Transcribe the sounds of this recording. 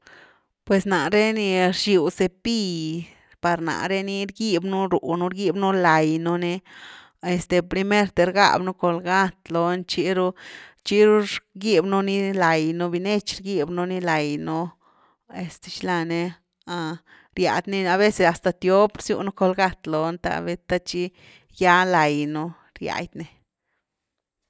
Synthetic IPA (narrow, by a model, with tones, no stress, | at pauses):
pwe˨sna˨ɾe˦ni˧ɾʃu˨wse˧pi˦ | pa˨ɾna̰˨ɾe˦ni˦ɾɡi˦bnu˦ɾu˨nu˦ɾɡi˦bnu˦la˨jnu˧ne˦ | e˨st̪e˨pɾi˧me˦ɾt̪e˧ɾɡa̰˦˨bnu˦ko˧lɡa˦t̪lo˧nt͡ʃi˦ɾu˦t͡ʃi˦ɾu˦ɾɡi˦bnu˦ni˦la˨jnu˦bi˧ne˦t͡ʃɾɡi˦˧bnu˦ni˦la˨jnu˦ | e˧st̪e̥˧ʃla˧ne˧ | a˧ | ɾja̰˨d̪ne˦˧a˧βe˦se˨sa˨st̪a˧t̪jo˦pɾsjṵ˧ʔnu˦ko˧lɡa˦˧t̪lo˨nt̪a̰˧be˦t̪a˦t͡ʃi˦ | ja˦la˨jnu˦ | ɾja̰˨˧jd̪ne˧